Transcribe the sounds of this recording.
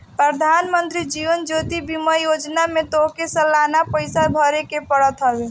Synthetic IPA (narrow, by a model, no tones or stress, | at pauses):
pɾəd̪ʱaːnmənt̪ɾid͡ʒiʋənd͡ʒot̪ibiməjod͡ʒnamet̪okesəlːanapəɪsabʱəɾekepəɽət̪ɦəbe